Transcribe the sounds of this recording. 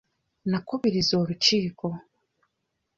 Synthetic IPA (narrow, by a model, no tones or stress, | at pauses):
nakuβiɾizo̞ːɾuciːko̞